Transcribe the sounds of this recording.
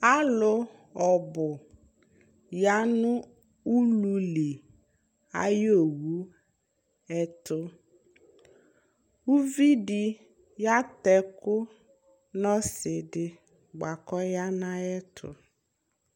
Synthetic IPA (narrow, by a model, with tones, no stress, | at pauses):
a˦lʊ˦ | ɔ˨bʊ˨ | ja˦nʊ̃˦ | u˦lu˨li˨ | a̰˦jo˦˨wu˨˦ | ɛ˦tʊ˦ | u˦vi˦dɪ˦ | ja˦t̪ɛ˦kʊ˦ | nɔ˦sɪ˨dɪ˨ | ɡ͡ba˨kɔ˦ja˦nã˦ɛ˦tʰʊ̰˨